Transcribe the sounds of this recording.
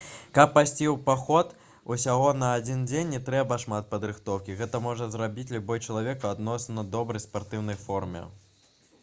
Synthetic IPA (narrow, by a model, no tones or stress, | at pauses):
kɐpːasʲt͡sʲiwpaxɔt̪ | usʲaɣɔnɐːd͡zʲind͡zʲenʲːɛt̪ɾɛbɐʂmat̪̚pɐd̪ɾɨxt̪ɔwkʲiɣɛt̪ɐmɔʐɐzrabʲit͡sʲlʲubɔjt͡ʂɐlˠavʲɛkɐad̪nɔsnɐnɐd̪ɔbɾɐjspart̪ɨwnɐjfɔrmʲɛ̰